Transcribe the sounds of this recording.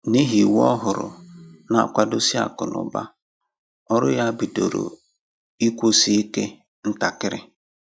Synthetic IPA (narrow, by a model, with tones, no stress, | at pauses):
ni˦ɦi˨wɔ̰˦ɦʊ˨ɾʊ̰˨na˨a˨kʷa˨do˦si˦a̰˨kʊ˨nʊ̰˨ba̰˦ | ɔ˦ɾʊ˦ja˦bi˨do˨ɾo̰˨ | i˦kʷo˦si˦i˦ke˦ | n̩˦ta˨kɪ˦ɾɪ̰˦